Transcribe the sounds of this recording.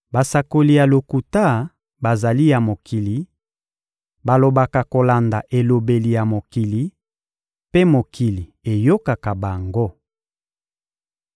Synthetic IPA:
ba˨sa˨ko˨li˨ja˨lo˨ku˨ta˦ | ba˨za˨li˦ja˨mo˨kʰi˨li˨˦ | ba˨lo˨ba˨ka˨ko˨la˨nda˨ʔe˨lo˨be˨li˨ja˨mo˨ki˨li˨˦ | pe˦mo˨kʰi˨li˨e˨jo˦ka˨ka˨ba˨ŋɡo˦

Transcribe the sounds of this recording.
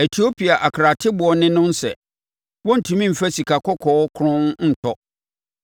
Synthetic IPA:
e˨tʰi˨˦o˦pʰi˨a˨ʔa˨kʰɾa˨tʰɪ˦bʊ˨ɔ˨nɪ̃˦nʊ̃˦n˦sɛ̰˨ | wɔ˦n̩˨tʰũ˦mĩ˦m̩˨fæ˦si˨kʰa˨kʰɔ˦kʰɔː˨˦kʰʊ˦ɾʊ̃˦nn̩˨tʰɔ˦

